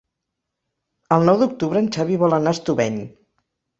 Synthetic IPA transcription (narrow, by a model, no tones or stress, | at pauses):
əlˠnɔwd̪uk̚t̪uβɾəːnt͡ʃaβiβɔlənaəst̪uβɛɲ